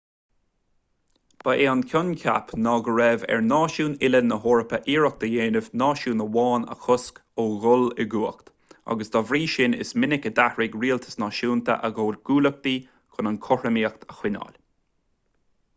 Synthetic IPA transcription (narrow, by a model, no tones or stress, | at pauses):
b̥əʔeːankʲʰʊnkʰa̰pnɑːɡəɹɛvɛ̰ɹnɑːʃuːnɪlənːəɦoːɹəpəʔiːɹək̚d̪əjeːnəvnɑːʃuːnəwɑːnə̰xʊskoːɣʊlɪɡuːəkt̪ | a̰ɡəsd̪ɔvɾiːʃɪnɪ̰smɪnɪkəd̪ahɹɪɡɹiːlt̪ʰə̥snɑːʃuːnt̪ʰə̰ʔəɡoːlɡ̥uːlək̚d̪iː | kʰʊnənkʰɔɹəmiːəkt̪əxwɪnɑ̰ːl